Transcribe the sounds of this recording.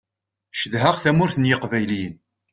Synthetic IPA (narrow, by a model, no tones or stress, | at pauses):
ʃəðɦəʁθæmʊɾθənjəqvæjlin